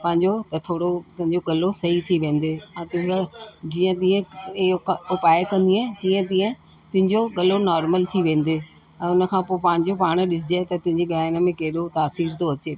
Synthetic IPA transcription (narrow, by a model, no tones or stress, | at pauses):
pɐ̃ɦɪ̃ɲd͡ʑot̪ɐt̪ʰoːɽot̪ʊ̃ɦɪ̃ɲd͡ʑoɠɐlosɐɦit̪ʰiʋẽːn̆d̪eːɛ̃ːt̪ʊ | d͡ʑiːə̃t̪̬iːə̃ | ʊpaːekɐ̃nd̪iãːt̪ĩːə̃t̪ĩːə̃ | t̪ʊ̃ɦɪ̃ɲd͡ʑoɠɐlonɔːɾməlt̪ʰiʋẽːn̆d̪eː | ɛ̃ːʊnə̆kʰãːpoːpɐ̃ɦɪ̃ɲd͡ʑopaːɽ̃ɗɪsɪd͡ʑet̪ɐt̪ʊ̃ɦɪ̃ɲd͡ʑiɡaːɪnəmẽkeɦɪɗot̪aːsiːɾt̪ʰoɐt͡ɕeː